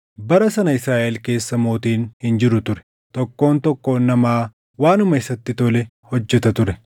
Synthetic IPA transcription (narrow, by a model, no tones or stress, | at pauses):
bɐɾɐsɐnɐɪsɾaːʔɛlke̞ːsːɐmo̞ːt̪iːnhɪnd͡ʒɪɾʊt̪ʊɾɛ̥ | t̪ɔkːo̞ːnt̪ɔkːo̞ːnːɐmaː | waːnʊmɐɪsɐt̪ːɪt̪ɔlɛ | hɔd͡ʒːɛt̪ɐt̪ʊɾɛ